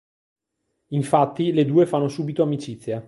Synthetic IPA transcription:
iɱfat̪ːiled̪uːefanːosuːbit̪oamit͡ʃit̪sːja

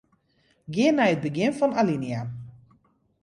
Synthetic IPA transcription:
ɡɪənːɛjət̚bəɡɪnfɔnalinja

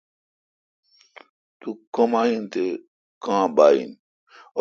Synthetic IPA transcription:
t̪ukɐmaːɦint̪e | kãːbaːḭn

